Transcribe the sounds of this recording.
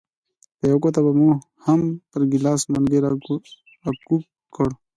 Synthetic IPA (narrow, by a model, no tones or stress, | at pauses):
pejokot̪ɐbɐmu | hɐmpɐɾɡilaːsmɐnɡeɾ | ɐku | kːɐɽ